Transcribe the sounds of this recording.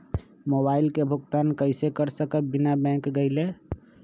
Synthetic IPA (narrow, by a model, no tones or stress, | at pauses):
moːbaːɪlkebʱʊɡt̪aːnkəɪsekəɾsəkəbɪnabɛ̃ːkɡəɪleː